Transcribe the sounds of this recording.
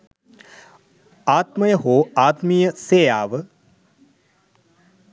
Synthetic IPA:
aːt̪mɐjɐɦoːaːt̪mijɐseːjaːʋ

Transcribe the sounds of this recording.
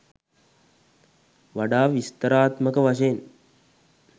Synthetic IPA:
ʋaɖaːʋist̪əɾaːt̪məkəʋaʃ̬eːn

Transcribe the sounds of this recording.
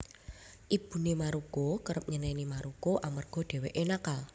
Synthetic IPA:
ʔib̥ṳnimaɾukokəɾəp̚ɲənɛnimaɾukoʔamarɡ̥ɔ̤d̥e̤weʔenakal

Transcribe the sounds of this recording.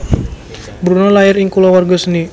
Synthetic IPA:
bɾunɔlajɪɾɪŋkulɔwarɡɔsəni

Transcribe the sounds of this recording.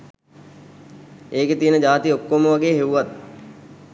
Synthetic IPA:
eːket̪iənəd͡ʒaːt̪iokːoməʋaɡeːɦeʋuʋat̪̚

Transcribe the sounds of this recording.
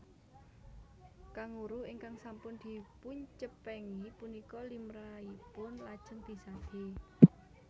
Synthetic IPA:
kaŋuɾʊhiŋkaŋsampʊnd̪̥i̤puɲt͡ʃəpɛŋipunikɔlimɾaipʊnlad̥ʒ̥əŋd̪̥i̤sad̪̥e̤

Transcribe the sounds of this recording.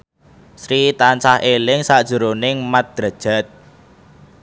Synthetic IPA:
sɾit̪ant͡ʃahʔelɪŋsaʔd̥ʒ̥ṳɾonɪŋmat̪̚d̪̥ɾa̤̥ʒ̥a̤t̪̚

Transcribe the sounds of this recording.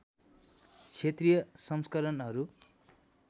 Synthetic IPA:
t͡sʰet̪rijʌsʌmskʌɾʌnɦʌɾu

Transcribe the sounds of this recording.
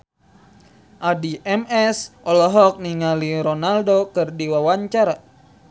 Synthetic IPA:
ʔadiʔɛmɛsʔɔlɔɦɔk̚niŋaliɾɔnaldokɨrdiwawaɲt͡ʃaɾa

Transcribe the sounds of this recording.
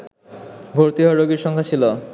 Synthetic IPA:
ɡʱoɾt̪iɦoɾoɡiɾʃɔŋkʰat͡ɕʰilo

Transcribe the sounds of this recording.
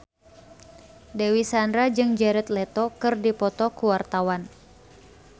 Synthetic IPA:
dɛwisandɾad͡ʒɨŋd͡ʒɛɾɛt̪lɛt̪ɔkɨrdipɔt̪ɔkuwart̪awan

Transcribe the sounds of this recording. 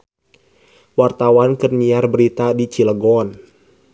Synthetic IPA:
wart̪awankɨrɲiarbəɾit̪adit͡ʃiləɡɔn

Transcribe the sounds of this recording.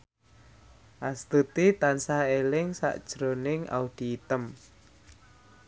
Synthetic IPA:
ʔast̪ut̪it̪ansaelɪŋsa̰ʔd̥ʒ̥ɾo̤nɪŋa̰ud̪̥i̤ːt̪əm

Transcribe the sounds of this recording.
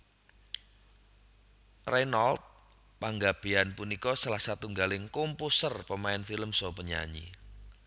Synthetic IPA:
rɛnalt̪̚ | paŋɡab̥e̤anpunikɔsalahsat̪uŋɡalɪŋkompusərpəmaɪnfiləmsɔpəɲa̰ɲḭ

